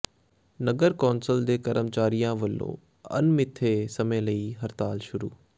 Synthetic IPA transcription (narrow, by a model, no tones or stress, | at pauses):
nəɡəɾkɔːnsəld̪eːkɐɾəmt͡ʃaːɾijãːʋəlːõ̰ː | ɐ̰nmɪt̪ʰːeːsɐmẽlɐiɦɐɾt̪aːlʃʊɾṵː